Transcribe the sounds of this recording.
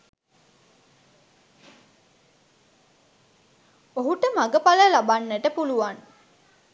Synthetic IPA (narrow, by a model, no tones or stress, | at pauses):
oɦuʈəmaɡəpaləlabanːeʈəpuluʋan